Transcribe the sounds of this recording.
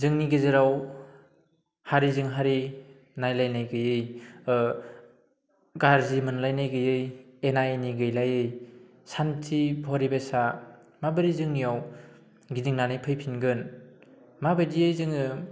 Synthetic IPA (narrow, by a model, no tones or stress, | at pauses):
zɯŋniɡizɯɾaw | haɾizɯŋɦaɾi | najlajnajɡɯjɯj | ɡaɾzimɯnlajnajɡɯjɯjenajniɡɯjlajɯj | santʰibʱɔɾibesa | mabɯɾizɯŋnijaw | ɡidiŋnanɯjpʰɯjpʰinɡɯn | mabɯjdiɯjzɯŋɯ